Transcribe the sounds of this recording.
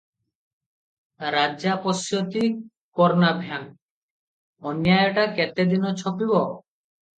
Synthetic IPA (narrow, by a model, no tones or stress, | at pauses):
ɾad͡ʒapɔsjot̪i | kɔɾnabʱjan | ɔnjajɔʈakɛt̪ed̪inɔt͡ʃʰɔpibɔ